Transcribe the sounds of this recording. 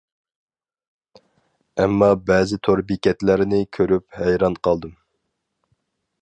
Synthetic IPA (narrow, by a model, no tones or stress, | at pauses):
ɛmːɑbɛːzɪt̪ʰoɾbikʲʰɛt̪læɾɪnɪkʲʰøɾyphɛjɾɑnqʰɑlˠd̪ɨm